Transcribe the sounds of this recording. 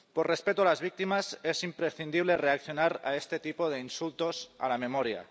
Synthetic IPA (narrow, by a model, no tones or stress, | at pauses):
porespet̪ualazβ̞ik̚t̪imasesimpɾesθind̪iβ̞lereakθjo̞naɾa̰est̪et̪ipoð̞einsult̪osa̰lamemoɾja̰